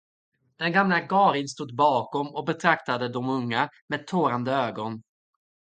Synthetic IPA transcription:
d̪̥ɛnɡamlaɡɑːɾɪnst̪uːd̪̚bɑːkɔmɔk̚bɛt̪ʰɾakt̪ad̪əd̪ɔmɵŋːameːd̪̚t̪ʰoːɾand̪əøːɡɔn

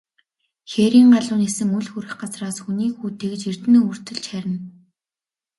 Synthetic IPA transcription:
xeːɾiːŋɢaɮʊːnesɘ̆ŋɵɮxuɾɘ̆xɢat͡sraːsxuniːkxuːt̪ʰek̆t͡ɕirt̪ɘ̆noːur̥t̪ɘ̆ɮt͡ɕxæɾʲɪ̆n

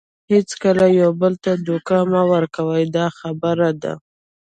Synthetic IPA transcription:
het͡skəlajawbəlt̪ad̪ukɑmawəɾkawəjd̪ɑxabəɾad̪a̰

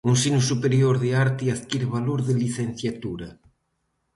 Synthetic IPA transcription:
unsinʊsupeɾjoɾðeaɾt̪ɪiaðkiɾβaloɾðɪliθen̟θjat̪uɾɐ

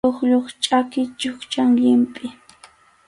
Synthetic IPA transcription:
oχʎoχt͡ʃʼakɪt͡ʃʊχt͡ʃaŋʎɪmpʼɪ

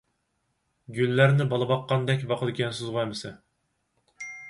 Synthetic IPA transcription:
ɡʲylːæɾnɪbɑlˠɨbɑqːɑnd̪ɛkʲvɑqʰəd̪ɪkʲɛnsɨzʁɑjmɨsɛ

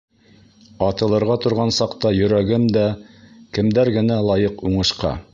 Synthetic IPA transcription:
ɑt̪ɤ̆lˠɤ̆ɾʁɑt̪ŏɾʁɑnsɑqt̪ɑjɵ̆ɾæɡɘmd̪ækɘ̆md̪æɾɡɘ̆nælˠɑjɤquɴɤ̆ʃqɑ̰

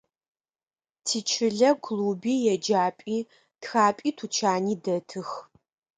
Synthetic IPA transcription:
tʰiːt͡ʃʰɪɮɐkʷʰluːbiːjɛd͡ʒaːpʼiː | txaːpʼiːtʰut͡ʃʰaːniːdɐtʰɨx

